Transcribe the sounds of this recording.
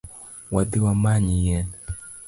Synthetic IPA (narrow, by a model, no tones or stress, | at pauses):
wadiwamaɲijɛna